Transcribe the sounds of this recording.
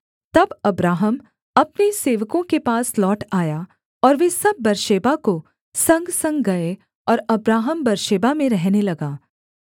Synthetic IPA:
t̪ɐbɐbɾaːɦəm | ɐpneseːʋəkõkepaːslɔːʈaːja | ɔːɾʋesɐb̚ːɐɾʃeːbako | sɐ̃ŋɡsɐ̃ŋɡɡɐe | ɔːɾɐbɾaːɦəmbɐɾʃeːbamẽɾɛɦnelɐɡaː

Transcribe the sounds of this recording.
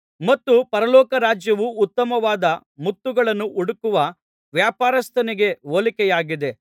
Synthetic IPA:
mɐt̪ːupɐɾɐlɔːkɐɾaːd͡ʒjɐʋuːt̪ːɐmɐʋaːd̪ɐ | mut̪ːuɡɐɭɐnːuʔuɽukuʋɐ | ʋjaːpaːɾɐst̪ʰɐniɡe̞ʋolikɛjaːɡid̪e̞

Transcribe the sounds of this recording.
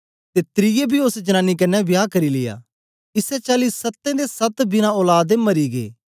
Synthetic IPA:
t̪et̪ɾɪjebʱiʊsd͡ʒɐñãːnikɐnɛʋjaːkɐɾilɪja̰ː | ɪsɛt͡ʃaːlisɐt̪ːẽd̪esɐt̪bɪnãoːlaːd̪emɐɾiɡḛː

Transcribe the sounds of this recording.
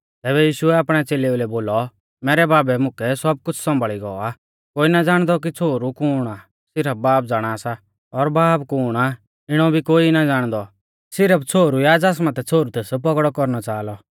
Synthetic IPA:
t̪ɛːbɛjiːʃʊɛaːpɽ̃ɛt͡seːleʊlɛboːlɔ | mɛːɾɛbaːbɛmʊkɛsɔb̚kʊt͡sʰsɔ̃mbʱɭiɡɔa | koːinad͡zaːɽ̃d̪ɔk̬it͡sʰoːɾukuːɽ̃a | sɪɾəp̚baːp̚d͡zaːɽ̃aːsa | ɔɾbaːpkuːɽ̃a | ɪɽ̃ɔbʱikoːinad͡zaːɽ̃d̪ɔ | sɪɾəpt͡sʰoːɾujaːd͡zaːs̬mãt̪ɛt͡sʰoːɾut̪esp̬ɔɡɽɔkɔɾnɔt͡ʃaːlɔ

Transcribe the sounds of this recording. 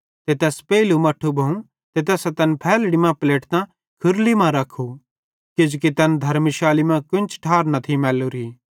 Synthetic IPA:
t̪et̪ɛːspɛːlumɐʈʰːubʱɐũ | t̪et̪ɛːsat̪ɐnpʰɛːlɽimãpleːʈt̪ã | kʰʊɾlimãɾɐkʰːu | kɪd͡ʒkit̪ɐnd̪ʱɐɾmiʃaːlimɛ̃kʊnt͡ʃʰʈʰaːɾnɐt̪ʰimɛːluɾiː

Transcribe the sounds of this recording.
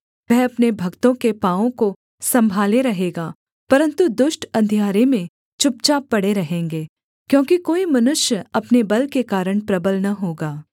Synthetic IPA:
ʋɛɦɐpnebʱɐɡt̪õkepaːõko | sɐ̃mbʱaːleɾɐɦeːɡaː | pɐɾə̃nt̪ud̪ʊʃʈɐ̃nd̪ʱijaːɾemẽ | t͡ʃʊp̚t͡ʃapɐɽeɾɐɦẽːŋɡeː | kjõːkikoːimɐnʊʃjəɐpnebɐlkekaːɾəɽ̃pɾɐbəlnɐɦoːɡaː

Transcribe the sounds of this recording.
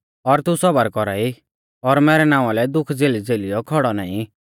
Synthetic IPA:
ɔɾt̪ũsɔbəɾkɔɾa̰ːi | ɔɾmɛːɾɛnãːʊ̃alɛd̪ʊkʰd͡zeːlid͡zeːlijɔkʰɔɽɔna̰ːĩ

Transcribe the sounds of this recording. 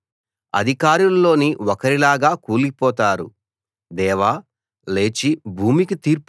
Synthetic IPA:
ɐ̰d̪ʱikaːɾullo̞ːniɔkɐɾilaːɡaːkuːlipɔːt̪aːɾṵ | d̪ɛːʋaː | le̞ːt͡ʃibʱuːmikit̪iːɾp

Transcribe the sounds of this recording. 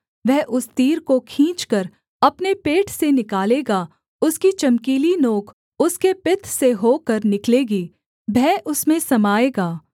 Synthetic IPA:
ʋɛɦʔʊst̪iːɾkokʰĩːt͡ʃkəɾ | ɐpnepeːʈʰsenɪkaːleːɡaː | ʊskit͡ʃɐmkiːlinoːkʰ | ʊskepɪt̪ʰseɦoːkəɾnɪkleːɡiː | bʱɛːʔʊsmẽsɐmaːeːɡaː

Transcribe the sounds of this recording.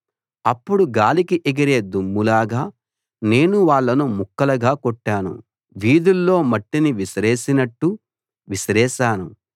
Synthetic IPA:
ɐpːuɽuɡaːlikiʔɛɡiɾe̞ːd̪umːulaːɡaː | ne̞ːnuʋaːɭːɐnumukːɐlɐɡaːkoʈːaːnṵ | ʋiːd̪ulːo̞ːmɐʈːiniʋiʃɾeːʃinɐʈːu | ʋiʃɾɛːʃaːnṵ

